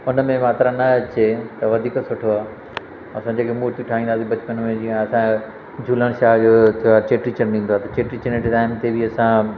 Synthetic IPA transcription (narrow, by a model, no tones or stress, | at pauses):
ʊnəmẽmaːt̪ɾanɐt͡ɕʰeːt̪ɐʋɐd̪ʱiːksʊʈʰoaː | ɐsãd͡ʑeːkʰemuːɾt̪iʈʰaːɦĩːnd̪aːsibɐt͡ɕpənmẽd͡ʑĩːaɐsã | d͡ʑʱuːləɽ̃ʃaːd͡ʑoːaːt͡ɕeːʈɾit͡ɕɐɾĩːnd̪oaːt̪ɐt͡ɕeːʈɾit͡ɕəneʈtaːɪmt̪ʰebɪɐsã